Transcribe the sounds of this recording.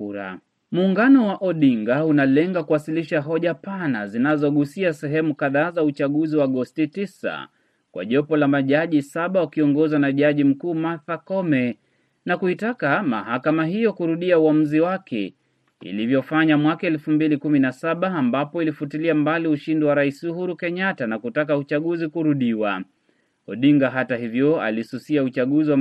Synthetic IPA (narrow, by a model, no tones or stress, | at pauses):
uɾa̰ | muːŋɡanɔwaʔɔɗiŋɡaunalɛŋɡakuwasiliʃaɦɔʄapana̰zinazɔɠusiasɛɦɛmukaðaːzaut͡ʃaɠuziwaːɡɔstitisa̰ | kwʔa̰ʄɔpɔlamaʄaʄisaɓawakiɔŋɡɔzwanaʄaʄim̩kuːmaθakɔmɛ | nakuitakama̰ɦakamaɦijɔkuɾuɗiauam̩ziwakɛ̰ | ḭlivjɔfaɲamwakaɛlfumbilikuminasaɓaːmbapɔilifutiliambaliuʃindiwaɾaisuhuɾukɛɲatanakutak̬aut͡ʃaɠuzikuɾuɗiwa | ɔɗiŋɡaɦataɦivjɔa̰lisusiaut͡ʃaɠuziwa